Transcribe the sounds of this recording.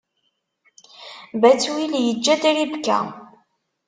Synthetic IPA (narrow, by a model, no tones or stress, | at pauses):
bæt͡sːwiljəd͡ʒːæd̪ɾibkːæ̰